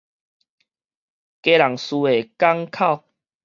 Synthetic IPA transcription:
ke˧la˨˩ŋsu˧e˨˩ka˦ŋkʰa˥˨ʊ

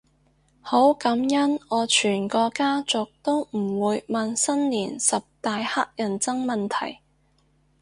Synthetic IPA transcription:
ho˨˥wkɐ˨˥mjɐ˥nɔː˨˧t͡ʃʰyː˨˩nkɔː˧kaː˥t͡sʊ˨k̚t̪o˥wm̩˨˩wuː˨˧jmɐ˨nsɐ˥nliː˨˩nsɐ˨p̚t̪aː˨jha˥k̚jɐ˨˩nt͡sɐ˥ŋmɐ˨nt̪ʰɐ̰˨˩j

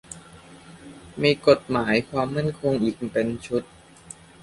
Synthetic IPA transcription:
miː˧ko˨˩t̪̚maː˩˦jkʰwaː˧mːa˥˩˨nkʰo˧ŋʔiː˨˩k̚pe˧nt͡ɕʰu˦˥t̪̚

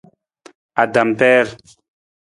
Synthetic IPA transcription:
a˨da˨mpɛː˦ɾ

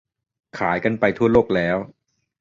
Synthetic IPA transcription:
kʰaː˩˦jka˧npa˧jt̪ʰu˥˩ɐloː˥˩k̚lɛː˦˥w

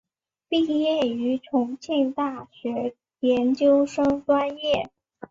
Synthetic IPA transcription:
pi˥˧jɛ˥˩y˧˥ʈ͡ʂʰʊ˧˥ŋt͡ɕʰi˥˧ŋt̪a˥˩ɕɥɛ˧˥ | jɛ˧˥nt͡ɕjo˥ʊʂɤ˥ŋtwa˥njɛ˥˩

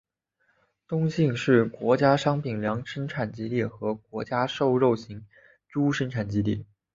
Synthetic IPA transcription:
t̪ʊ˥ŋɕi˥˧ŋʂɻ̩˥˩kwɔ˧˥t͡ɕja˥ʂɑ˥ŋpʰi˨˩ŋljɑ˧˥ŋʂə˥ŋʈ͡ʂʰa˨˩nt͡ɕi˥li˥˩xɤ˧˥kwɔ˧˥t͡ɕja˥ʂo˥˧ʊɻo˥˩ʊɕi˧˥ŋ | ʈ͡ʂu˥ʂə˥ŋʈ͡ʂʰa˨˩nt͡ɕi˥li˥˩

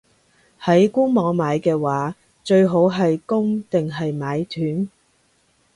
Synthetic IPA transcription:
hɐ˨˥jkuː˥ŋmɔː˨˧˥ŋmaː˨˧jkɛː˧waː˨˥ | t͡ʃɵ˧ɥɦo˨˥wɦɐ˨jkʊ˥ŋt̪ɪ˨ŋɦɐ˨jmaː˨˧jt̪ʰyː˨˥n

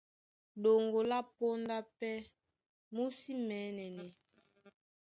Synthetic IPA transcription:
ɗo˨ŋɡo˨la˦po˦nda˦pɛ˦ | mu˦si˦mɛː˨˦nɛ˨nɛ˨

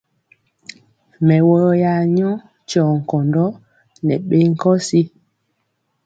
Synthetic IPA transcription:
mɛ˨wɔ˨ɔ˦ja˨ɲɔ˦ | t͡ʃɔ˨ŋ̩˨kɔ˨ndɔ˦ | nɛ̰˨ɓe˦ŋ̩˦kɔ˦si˦

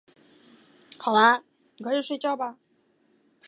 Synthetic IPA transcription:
xɑ˨˩ʊla˦˨ | kʰɤ˧˥i˨˩ʂwe˥˧ɪt͡ɕjɑ˥˩ʊba˨˩

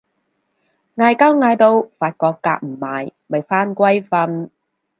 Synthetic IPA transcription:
ŋaː˧jkaː˥wŋaː˨˧jt̪o˧wfaː˧t̚kɔː˧kːa̰ː˧k̚m̩˨˩maː˨˧jmɐ˨jfaː˥nkʷɐ˥jfɐ˧n

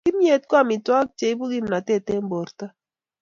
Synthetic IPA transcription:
ki˦mje˨t̚kwa˦˨mi˨twa˦k̚t͡ʃe˨i˦bu˦ɡi˦mna˨tɛ˦˨te˦m˦bo˨ɾta˦

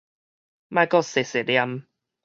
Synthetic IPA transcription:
ma˧kɔ˥˧se˨se˨lja˧m

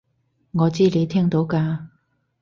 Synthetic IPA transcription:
ŋɔː˨˧t͡siː˥le˨˧jt̪ʰɛː˥ŋt̪o˨˥wkaː˧

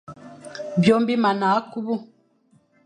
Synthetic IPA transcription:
bjo˦mbi˦ma˨na˨˦ku˦bu˦

